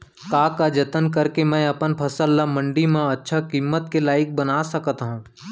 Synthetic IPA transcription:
kaːkad͡ʒət̪ənkəɾkemɛ̃ɐpənpʰɐsəlːamə̃ɳɖimãɐtːʃʰakimːət̪̚kelaːɪk̚bənaːsəkət̪ɦũː

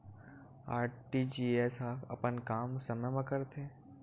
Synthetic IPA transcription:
aːɾʈid͡ʒiːesɦaːkʰɐ̰pənkaːmsəməjmɐ̃kəɾt̪ʰẽ

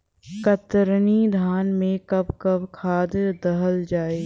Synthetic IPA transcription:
kɐt̪ɾnid̪ʱaːnmẽkɐbkɐbkʰaːd̪d̪ɐɦəld͡ʒaːeː

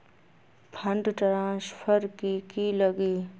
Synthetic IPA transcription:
pʰə̃ɳɖʈɾãːspʰəɾkikiləɡiː

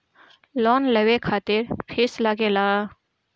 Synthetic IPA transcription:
lɔːnləwekʰaːt̪ɪɾpʰeslaɡelaː

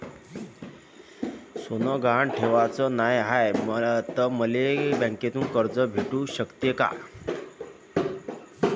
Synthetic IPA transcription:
sonəɡʱaɳʈʰeʋat͡sənajɦajmt̪əməlebə̃ŋket̪uːnkəɾd͡zəbʱeʈuɕəkt̪jeka̰

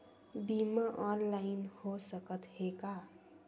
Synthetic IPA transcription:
bimaʔɔnlaɪnhosəkət̪heka

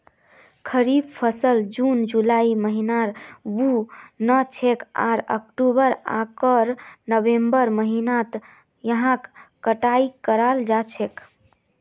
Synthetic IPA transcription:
kʰəɾibpʰəsəld͡ʒund͡ʒulaiməɦinaɾbunət͡ʃʰeka̰ɾə̰kʈubəɾa̰kəɾnəbembəɾməɦinat̪ | jəɦãkː | əʈaikəɾald͡ʒat͡ʃʰek

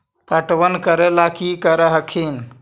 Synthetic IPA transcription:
pəʈʋənkəɾelakikəɾəɦəkʰin

